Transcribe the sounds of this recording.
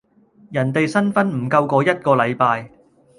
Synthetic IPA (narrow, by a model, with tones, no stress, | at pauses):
jɐ˨˩nt̪e˨jsɐ˥nfɐ˥nm̩˨˩kɐ˧wkɔː˧jɐ˥t̚kɔː˧lɐ˨˧jpaː˨˧j